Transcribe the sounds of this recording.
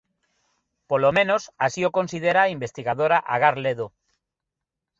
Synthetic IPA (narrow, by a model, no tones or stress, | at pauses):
polomẽnosasiokonsið̞eɾaimbest̪iɣaðoɾaʔaɣ̞aɾleðo